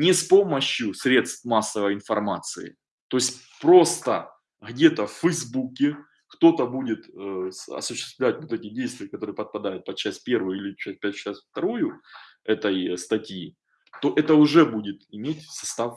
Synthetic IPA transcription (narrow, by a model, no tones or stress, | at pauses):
nʲɪspoməɕjʊsɾʲe̞t̪st̪masːəvəjɪnfɐrmat̪sɨ̰ɪ̰ | t̪o̞jɪsʲtʲ | pɾo̞st̪ə | ɣdʲe̞t̪əfʲfːəjzbukʲɪ | kt̪o̞t̪əbudʲɪt̪əɐ̰sʊɕːɪ̥st̪vlʲætʲvot̪ɛtʲɪdʲejst̪vʲɪjəkɐt̪o̞ɾɨjəpət̪̚pɐd̪ajʊt̪̚pɐd̪̚t͡ɕːæsʲpʲe̞rvɨjilʲɪt͡ɕæsʲpʲɛt͡ɕasʲft̪ɐɾojʊ | ɛt̪əjst̪ɐtʲji | t̪o̞ʔɛt̪əʊʐɛbudʲɪt̪ɪmʲetʲsɐ̥st̪af